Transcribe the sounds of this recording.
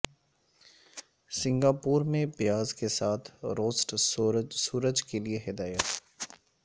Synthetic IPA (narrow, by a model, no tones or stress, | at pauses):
sɪ̃ŋɡaːpuːɾmẽbɪjaːzkesaːt̪ʰɾoːsʈsuːɾəd͡ʒkelieɦɪd̪aːjət̪